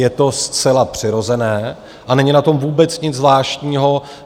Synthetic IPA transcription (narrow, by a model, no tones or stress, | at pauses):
jɛt̪o̞st͡sɛlapr̝̥ɪɾo̞zɛnɛː | ʔanɛɲɪnat̪o̞mvuːbɛt͡sɲɪd͡zzvlaːʃtɲiːɦo̞